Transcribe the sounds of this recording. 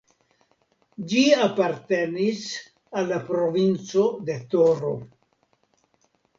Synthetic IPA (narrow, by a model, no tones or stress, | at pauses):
d͡ʒiapaɾte̞nis | alːapɾo̞vint͡so̞de̞t̪oɾo̰